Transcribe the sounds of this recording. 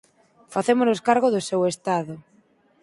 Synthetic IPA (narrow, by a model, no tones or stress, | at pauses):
faθemʊnoskaɾɣʊðʊsewest̪aðʊ